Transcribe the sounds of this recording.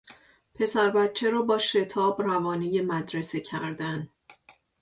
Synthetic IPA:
pʰe̞sæɾbæt̪̚t͡ʃʰe̞ɾɒːbɒːʃe̞t̪ʰɒːbrævɒːnijemæd̪ɾe̞secʰæɾd̪æn

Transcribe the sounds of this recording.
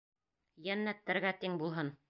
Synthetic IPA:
jænːæt̪ːɘ̆ɾɡæt̪iŋbulˠɦɤn

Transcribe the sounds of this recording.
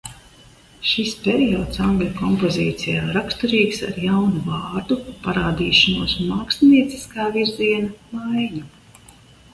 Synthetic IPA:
ʃispʲeɾijɔːt̪saŋɡlʲukɔmpɔziːt̪sijaːɾakst̪uɾiːksa̰ɾjawnuvaːɾd̪upaɾaːd̪iːʃanuɔsmaːkst̪niɛt̪sʲi̥skaːviɾziɛnamajɲu

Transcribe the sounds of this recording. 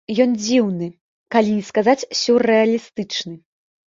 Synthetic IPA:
jɔnd͡zʲiwnɨ | kalʲinʲiskazat͡sʲsʲurɛɐlʲist̪ɨt͡ʂnɨ

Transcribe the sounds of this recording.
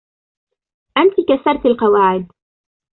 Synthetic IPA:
ʔant̪ikasɑɾˤt̪alqɑwaːʕɪd̪

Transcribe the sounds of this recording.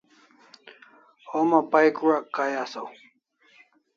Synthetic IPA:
omapajkuɾakajasaw

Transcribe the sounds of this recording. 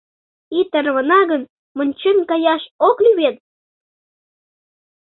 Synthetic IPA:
it̪ərβə̆nɑɣən | mənʲt͡ɕənkɑjɑʃoklyβet̪̚

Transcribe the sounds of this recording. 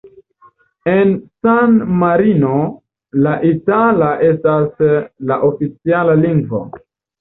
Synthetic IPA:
e̞nsanmaɾino̞ | laʔitalaʔe̞staslaʔofit͡sialaliŋɡvo̞̰

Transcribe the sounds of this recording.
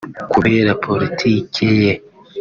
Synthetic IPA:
kuβeːɾapʰo̞ɾitʰiːkʰeje

